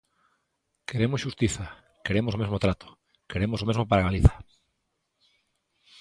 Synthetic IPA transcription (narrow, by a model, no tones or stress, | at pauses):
keɾemʊsʃust̪iθa | keɾemosomezmot̪ɾat̪o̥ | keɾemosomezmopaɾaɣaliθḁ